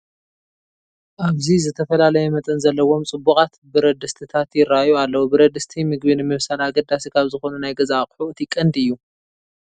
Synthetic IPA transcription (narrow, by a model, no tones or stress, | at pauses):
ʔaβzizɨt̪ʰɐfɐlalɐjɛmɐt̪ʼɐnzɐlːɐwo̞mt͡sʼɨbːukʼat̪bɨɾɐd̪ɨst̪ʰɨt̪ʰat̪jɪɾːajualːɐwubɨɾɐd̪ɨst̪ʰimɨɡbinɨmɨβsalaɡɐd̪asikʰaβzɨxo̞nunajɡɐzakʼħuʔɨt̪ʰikʼːɐnd̪ɨjːu